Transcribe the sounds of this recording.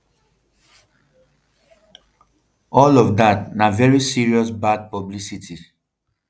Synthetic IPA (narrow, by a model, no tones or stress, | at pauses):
ɔlɔvdatnavɛɹisiɹiɔsbad̚pɔblisitʰi